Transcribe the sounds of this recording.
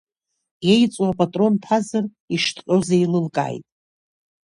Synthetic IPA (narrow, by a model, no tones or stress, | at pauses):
jejt͡sʼwapʼatʼro̞npʰazɨr | iʂtʰqʲʼozailɨlkʼa̰jtʼ